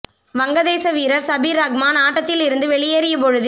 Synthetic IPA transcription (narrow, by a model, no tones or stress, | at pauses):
ʋɐŋɡɐðeːsɐʋiːɾɐɾsɐbiːɾɐɡmaːnaːʈːɐt̪ːɪlɪɾɯnd̪ɯʋɛɭɪjeːɾɪjɐpɔɻɯð